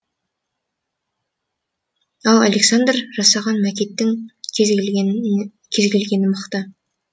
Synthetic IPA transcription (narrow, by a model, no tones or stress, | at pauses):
ɑlˠalʲeksand̪rʒɑsɑʁɑnmækʲet̪ːɪŋ | kʲʰezɡʲelɡʲe̞nɪməqt̪ə